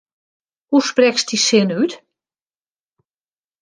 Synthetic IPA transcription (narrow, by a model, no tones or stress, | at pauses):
husprɛkstisɪnyt